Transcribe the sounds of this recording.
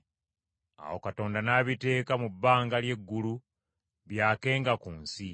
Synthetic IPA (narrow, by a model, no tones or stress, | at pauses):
a̰wo̞̰kato̞ːndanaːβite̞ːkamubːaːŋɡalje̞ɡːulu | βjaːke̞ːŋɡakuːnsi